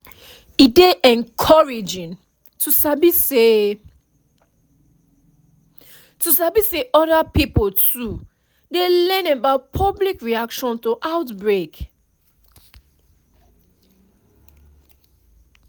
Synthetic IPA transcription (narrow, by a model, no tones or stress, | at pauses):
ideʔɛ̃nkʰɔɹid͡ʒĩn | tusabise | tusabiseʔɔdapipoltu | delɛ̃nabaʊt̚pʰɔblikɹiakʃɔ̃ntoʔaʊtbɹek